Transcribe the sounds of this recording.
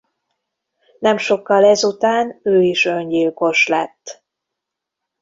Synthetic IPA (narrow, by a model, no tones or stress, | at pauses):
nɛmʃo̞kːɒlɛzut̪aːnøːiʃøɲɟilko̞ʃlɛ̰t̪ː